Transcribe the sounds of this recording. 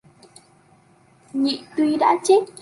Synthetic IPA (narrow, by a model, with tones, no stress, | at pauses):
ɲḭ˧˨t̪wi˧ɗa̰ː˧˥t͡ɕe˦˥t̚